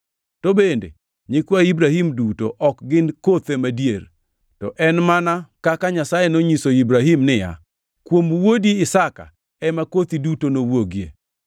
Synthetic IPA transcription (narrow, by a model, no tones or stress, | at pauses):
tobendḛ | ɲɪkwaibɾaɦimduto̰ʔɔkɡɪnkot̪emadijer | tɔʔɛnmanakakaɲasajenoɲisoibɾaɦimnɪja̰ | kwomwodiɪsaka̰ | ɛmakot̪idutonowoɡjḛ